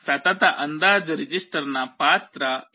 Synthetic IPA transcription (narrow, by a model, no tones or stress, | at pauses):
fɛt̪at̪aʔənd̪aːd͡ʒɾid͡ʒisʈəɾnapaːt̪ɾa